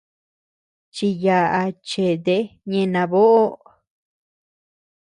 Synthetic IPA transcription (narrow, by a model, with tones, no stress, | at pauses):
t͡ʃi˧ja˧ʔa˧t͡ʃe˨d̪e˧˦ɲẽ˧nã˧βo˦ʔo˦